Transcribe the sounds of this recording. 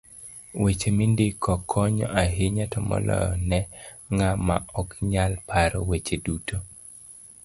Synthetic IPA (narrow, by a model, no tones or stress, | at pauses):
wet͡ʃemindɪkʰɔkʰːɔɲɔʔaɦɪɲatɔmɔ̰lɔ̰jɔnɛ | ŋama̰ɔkɲalpʰaɾɔwet͡ʃedutʰo